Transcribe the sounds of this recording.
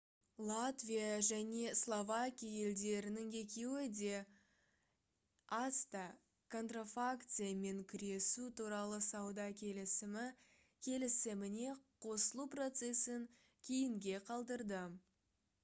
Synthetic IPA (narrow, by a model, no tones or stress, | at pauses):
lˠat̪vʲijaʒæne̞slˠo̞vakʲijaje̞ld̪e̞ɾɪnɪŋe̞kʲe̞wɪd̪e̞ | ast̪a | kʰo̞nt̪rafakt̪sɨjame̞ŋkʲʰʏɾe̞sut̪uɾɑlˠəsɑwd̪ɑkʲʰe̞lɪsɪmɪ | kʲʰe̞lɪsɪmɪne̞qʰo̞səlˠupro̞t̪se̞sɪŋ | kʲʰe̞jɪŋɡʲe̞qʰɑlˠd̪əɾd̪ə